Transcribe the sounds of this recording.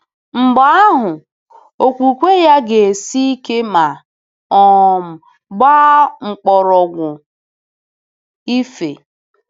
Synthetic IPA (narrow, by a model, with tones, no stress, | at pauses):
ŋ͡m̩˨ɡ͡ba˦a˦ɦʊ˨ | o˨kʷu˨kʷe˦ja˦ɡe˨si˦i˦ke˦ma˨ | ɔ˨m̩˨ | ba˦ŋ͡m̩˨k͡pɔ˨ɾɔ˨ɡʷʊ˨ | i˦fe˨